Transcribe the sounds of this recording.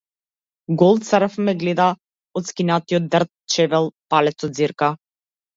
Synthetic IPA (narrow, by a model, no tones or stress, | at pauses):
ɡɔlˠt̪səɾəfmɛɡlɛd̪a | ɔt̪skinat̪iɔt̪̚d̪rt̪̚t͡ʃɛvɛlˠpalɛt̪sɔd̪ziɾka